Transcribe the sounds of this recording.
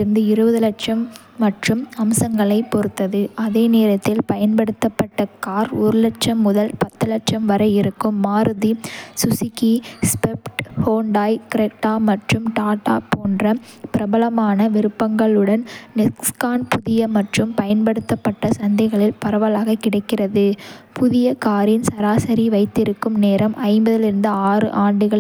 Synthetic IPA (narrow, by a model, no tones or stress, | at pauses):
ɾɯnd̪ɯɪɾɯbɐðɯlɐt͡ʃɐmː | ɐʈrɯmɐmsɐŋɡɐɭɐɪpɔɾɯt̪ːɐðɯɐðeːneːɾɐt̪ːɪlpɐjɐnpɐɽɯt̪ːɐpːɐʈːɐkaːɾɔːɾɯlɐt͡ʃɐmːʊðɐlpɐt̪ːɯlɐʈ̚t͡ʃɐmʋɐɾɐɪɾɯkːɯmːaːɾðisʊsɪkːispɛpʈhoːɳɖaːjkɪɾɛk̚ʈaːmɐʈrɯmʈaːʈːa̰ːpoːndrɐ | pɪɾɐbɐlɐmaːnɐʋɪɾɯpːɐŋɡɐɭɯɽɐnnɪkskaːnpʊðɪjɐmɐʈrɯmpɐjɐnpɐɽɯt̪ːɐpːɐʈːɐsɐnd̪ɐɪɣɐɭɪlpɐɾɐʋɐlaːɣɐkːɪɽɐɪkːɪrɐðɯpʊðɪjɐkaːɾɪnsɐɾaːsɐɾiʋɐɪt̪ːɪɾɯkːɯmneːɾɐmʔɐɪmbɐðɪlɪɾɯnd̪ɯaːrɯʔaːɳɖɯɣɐɭ